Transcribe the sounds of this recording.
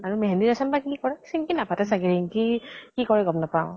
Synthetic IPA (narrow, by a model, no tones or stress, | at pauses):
aɹumɛɦɛndiasambakikɔɹɛki̥sinkinapatɛsaɡɛɹiŋkikikɔɹɛɡɔmnapaʊ̃